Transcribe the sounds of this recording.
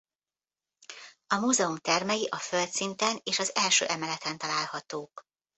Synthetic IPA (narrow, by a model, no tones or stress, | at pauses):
ɒmuːzɛumt̪ɛrmɛjiʔɒfølt̪sint̪ɛneːʃɒzɛlʃø̰ːʔɛmɛlɛt̪ɛnt̪ɒlaːlhɒt̪oːk